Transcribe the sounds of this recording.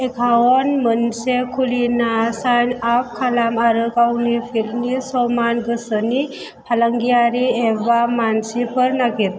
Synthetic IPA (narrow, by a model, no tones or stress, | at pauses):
ekʰawɔnmənsekʰulinasanap̚kʰalamaɾɯkawnipʰilnisɔmanɡɯsəni | pʰalaŋɡijaɾiebamansipʰəɾnakit